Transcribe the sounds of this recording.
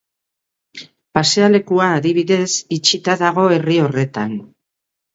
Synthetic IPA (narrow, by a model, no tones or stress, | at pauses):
paseale̞kuaːðiβ̞iðe̞sit͡ʃit̪aðaɣ̞o̞e̞rio̞re̞t̪an